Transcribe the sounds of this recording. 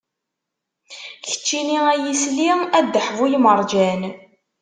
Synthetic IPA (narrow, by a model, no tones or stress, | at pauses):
çə̥t͡ʃːiniæjisliæd̪ːəħvujməɾˤd͡ʒæn